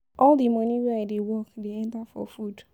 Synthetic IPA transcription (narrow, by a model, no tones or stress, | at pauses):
ʔɔldimɔniweaɪdewɔkdeɛ̃ntafɔ̰fud